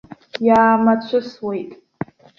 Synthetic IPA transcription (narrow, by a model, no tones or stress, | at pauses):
jaːmat͡ɕʷʰɨswe̞jtʼ